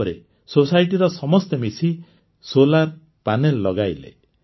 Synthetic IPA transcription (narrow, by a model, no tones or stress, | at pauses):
ɔɾe | sosajʈiɾɔsɔmɔst̪emisi | solaɾ | panelːɔɡajlḛ